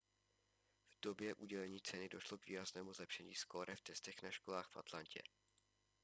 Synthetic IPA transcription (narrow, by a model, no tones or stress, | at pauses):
v̥do̞bjɛʔuɟɛlɛɲiːt͡sɛnɪdo̞ʃlo̞kviːɾaznɛːmuzlɛpʃɛɲḭːskoɾʔɛft̪ɛst̪ɛxnaʃkolaːxfʔa̰t̪lancʰɛ̰